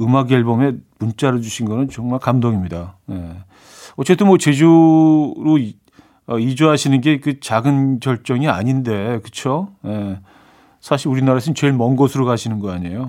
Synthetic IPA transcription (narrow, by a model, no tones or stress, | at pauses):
ɯmaɡeɭbʌmemunt͡ɕ͈aɾɯd͡ʑuɕʰinɡʌnɯnt͡ɕʌŋmaɭkamdoŋimɲidaje̞ | ʌt͡ɕ͈e̞t͈ʰɯnmwʌt͡ɕe̞d͡ʑu | ɾo | ʌid͡ʑuɦaɕʰinɯnɡe̞kɯt͡ɕaɡɯnkjʌɭt͡ɕ͈ʌŋia̰ɲinde̞kɯt͡ɕʰoje̞ | sʰaɕʰiɾuɾinaɾaesʰʌmnt͡ɕwe̞ɭmʌnɡʌsʰɯɾokaɕʰinɯnɡʌaɲejo